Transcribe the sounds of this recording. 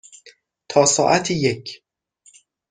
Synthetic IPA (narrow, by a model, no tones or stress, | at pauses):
t̪ʰɒːsɒːʔæt̪ʰijecʰ